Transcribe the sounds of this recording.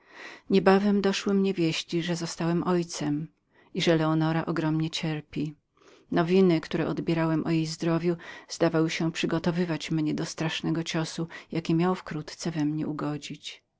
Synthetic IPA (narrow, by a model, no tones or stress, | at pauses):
ɲɛbavɛmd̪ɔʂwɘmɲɛvʲjeɕt͡ɕiʐɛzɔst̪awɛmʔɔjt̪sɛm | iʐɛlɛɔnɔɾaʔɔɡɾɔmɲɛt͡ɕɛɾpʲi | nɔvʲinɘkt̪uɾɛʔɔd̪bʲjɛɾawɛmʔɔjejzd̪ɾɔvʲjuzd̪avawɘɕɛpʂɘɡɔt̪ɔvɘvat͡ɕmɲɛd̪ɔst̪ɾaʂnɛɡɔt͡ɕɔsujakʲɛmʲjawfkɾut̪t̪sɛvɛmɲɛ̰uɡɔd͡ʑit͡ɕ